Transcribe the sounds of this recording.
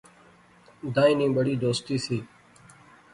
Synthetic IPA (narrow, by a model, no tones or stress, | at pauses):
d̪aːĩːnĩːɓəɽiːd̪oːst̪iːsiː